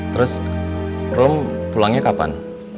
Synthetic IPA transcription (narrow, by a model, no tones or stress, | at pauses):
t̪ɾʊs | rʊmpulaŋɲekapa̰n